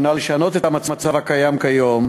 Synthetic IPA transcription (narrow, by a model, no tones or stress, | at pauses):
naleʃano̞t̪et̪amat͡samat͡savhakajamkajo̞m